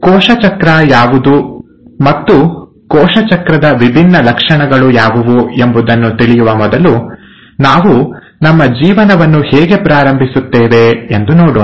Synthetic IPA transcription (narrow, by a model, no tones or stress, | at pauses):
kɔːʃɐt͡ʃɐkɾɐjaːʋud̪u | mɐt̪ːu | kɔːʃɐt͡ʃɐkɾɐd̪ɐʋibʱinːɐlɐkʂɐɳɐɡɐɭujaːʋuʋue̞mbud̪ɐnːut̪iɭijuʋɐmɔd̪ɐlu | naːʋu | nɐmːɐd͡ʒiːʋɐnɐʋɐnːuhɛːɡe̞pɾaːɾɐmbʱisut̪ːɛːʋe̞end̪unoːɽoː